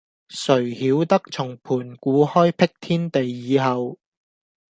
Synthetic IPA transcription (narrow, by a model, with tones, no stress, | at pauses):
sɵ˨˩ɥhiː˨˥wt̪ɐ˥k̚t͡sʰʊ˨˩ŋpʰuː˨˩nkuː˨˥hɔː˥jpʰɪ˥k̚t̪ʰiː˥nt̪e˨jːiː˨˧ɦɐ˨w